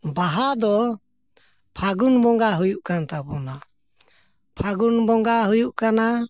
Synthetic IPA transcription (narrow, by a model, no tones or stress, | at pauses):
baɦad̪ɔ | pʰaɡunbɔŋɡaɦujuʔkant̪apɔna | pʰaɡunbɔŋɡaɦujuʔkana